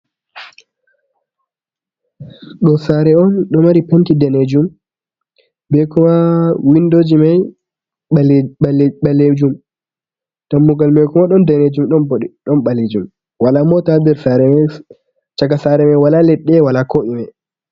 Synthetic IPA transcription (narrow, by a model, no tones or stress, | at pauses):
ɗɔsaɾɛɔnɗɔmaɾipentidɛned͡ʒum | bɛkɔmawindod͡ʒimaj | ɓalːed͡ʒum | tamːuɡalmɛkɔmaɗɔndɛned͡ʒumɗɔnboɗiɗɔnɓaled͡ʒum | walamɔtadɛɾsaɾɛmɛ | t͡ʃaɡasaɾɛmajwalalɛɗːɛwalakoʔimɛ